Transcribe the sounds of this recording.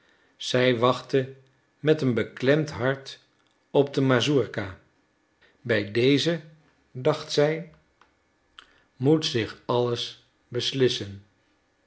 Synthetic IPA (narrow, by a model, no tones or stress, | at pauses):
z̥ɛjʋɑχtə | mɛtənbəklɛmtɦɑɹt | ɔb̚dəmazuɹka | bɛjdejzə | dɑχtsɛj | mutsɪχɑləs | bəslɪsən